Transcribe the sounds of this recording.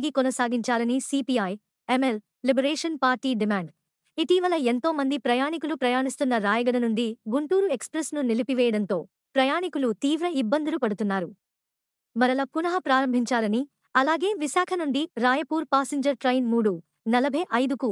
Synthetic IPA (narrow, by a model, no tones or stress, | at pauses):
ɡikɔnɐsaːɡiɲt͡ʃaːlɐnisipiɐːj | emel | libɐɾeːʂɐnpaːɾʈiːɖimaːɳɖ | it̪iːʋɐlɐe̞nt̪o̞ːmɐnd̪ipɾɐjaːɳikulupɾɐjaːnist̪unːɐɾaːjɐɡɐɽɐnuɳɖiɡuɳʈuːɾue̞kspɾɐsnunilipiʋɛːjɐɽɐnt̪o̞ː | pɾɐjaːnikulut̪iːʋɾɐibːɐnd̪ulupɐɽut̪unːaːɾu | mɐɾɐlɐpunɐɦɐpɾaːɾɐmbʱiɲt͡ʃaːlɐni | ɐlaːɡe̞ːʋisaːkʰɐnuɳɖiɾaːjɐpuːɾpaːseɲd͡ʒɐɾʈɾɐjnmuːɽu | nɐlɐbʱɐjʔɐjd̪uku